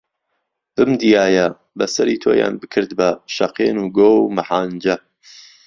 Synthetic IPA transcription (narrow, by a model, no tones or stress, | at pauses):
b̥ɨmd̪ijaːjɐ | bɐsɐɾiːt̪ʰoːja̰ːnbɨkʰɨɾd̪bɐʃɐqeːnuːɡoːwmaħaːnd͡ʒɐ